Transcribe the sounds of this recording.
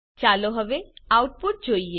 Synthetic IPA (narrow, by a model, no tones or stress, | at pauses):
t͡ʃaːloɦɐʋeaːʊʈ̚pʊʈ̚d͡ʒoːie